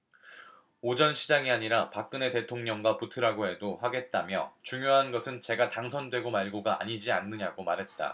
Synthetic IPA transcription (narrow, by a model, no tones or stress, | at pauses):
od͡ʑʌnɕʰid͡ʑaŋiaɲiɾapak̚k͈ɯne̞te̞tʰoŋɲʌŋɡwaputʰɯɾaɡoɦe̞doɸaɡe̞t̚t͈amjʌt͡ɕuŋjoɦanɡʌsʰɯnt͡ɕe̞ɡataŋsʰʌndwe̞ɡomaɭɡoɡaa̰ɲid͡ʑianːɯɲaɡomaɾɦe̞t̚t͈a̰